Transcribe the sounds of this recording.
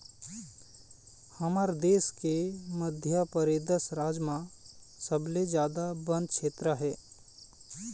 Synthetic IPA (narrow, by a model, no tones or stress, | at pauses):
həmaːɾd̪eːskeməd̪ʱjəpəɾed̪əsɾaːd͡ʒmã | səbled͡ʒjaːd̪abə̃nd̪ʃʰeːt̪ɾəɦɛː